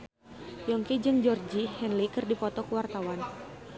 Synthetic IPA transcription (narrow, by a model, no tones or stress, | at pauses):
jɔŋkid͡ʒɨŋd͡ʒɔrd͡ʒihɛnlikɨrdipɔt̪ɔkuwart̪awan